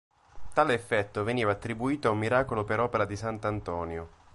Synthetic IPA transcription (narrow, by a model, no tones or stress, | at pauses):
t̪aːleːfːɛt̪ːoveniːvaːt̪ːɾibuiːt̪oaumːiɾaːkolopeɾɔːpeɾad̪isant̪ant̪ɔːnjo